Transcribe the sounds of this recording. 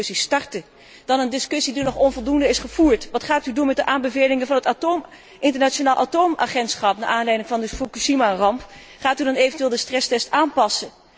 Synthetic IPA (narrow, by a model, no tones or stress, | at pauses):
sistɑɹtə | d̥ɑnəndɪskɵsidinɔχɔnvɔlˠdundəɪsχəv̥uːɹtʋɑtχaːtydunmɛt̚dəʔaːmbəveːjlɪŋəvɑnɦətatom | ɪntəɹnat͡ʃonaːlˠʔatowma̰χɛntsχɑpna̰ːʔaːnlɛjdɪŋvɑndəfukuʃimarɑmp | χaːtydɑnejvəntyʋɪːlˠdəstrɛstɛstaːnpɑsə